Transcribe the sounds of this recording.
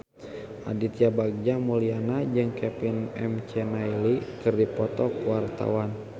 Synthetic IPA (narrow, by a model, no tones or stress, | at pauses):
ʔadit̪iabaɡ̚d͡ʒamulianad͡ʒɨŋkɛpinɛ̰mt͡ʃɛnailikɨrdipɔt̪ɔkwart̪a̰wan